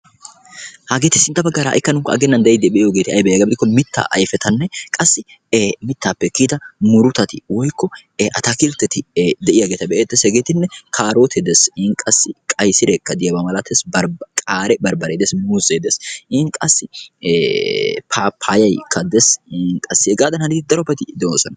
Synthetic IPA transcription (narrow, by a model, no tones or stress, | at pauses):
haɡeːt̪ːɪsɪnt̪ːɐbɐɡːaːɾɐ̰ːʔɪkːɐnʊŋkːɐɐ̰ɡɛnːɐnd̪ɐjɛjd̪ɛbɛʔɪjoːɡe̞ːt̪ɪɐjbɛjɐːɡɐbɪd̪ɪkːɔmɪt̪ʰːa̰ːʔɐ̰jfɛt̪ʰɐnːɛkʼɐsːɪ | mɪt̪ːaːpːɛkːiːd̪ɐmʊɾʊt̪ɐt̪ɪwɔjkːɔʔɐt̪ɐkɪlt̪ːɛt̪ɪd̪ɛʔɪjaːɡeːt̪ɐbɛʔeːt̪ːɛshɛɡeːt̪ɪnːɛkʰaːɾoːt̪ʰɛd̪ɛsŋkʼɐsːɪkʼɐjsɪɾekːɐd̪ɪjɐbɐmɐlɐt̪ːɛsbɐɾkʼaːɾɛbɐɾbɐɾed̪ɛsmuseːd̪ɛshɪŋkʼɐsːɪ | pʰaːpʰːajɐjkʰːɐd̪ɛsnkʼɐsːɪɛɡaːd̪ɐnhɐnɪd̪ɐɾɔpːɛt̪ɪd̪ɛsɔnɐ